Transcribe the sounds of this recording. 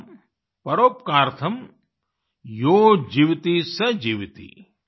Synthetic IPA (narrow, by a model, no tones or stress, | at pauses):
pɐɾoːp̚kaːɾt̪ʰɐm | joːd͡ʒiːʋt̪isɐd͡ʒiːʋit̪ḭ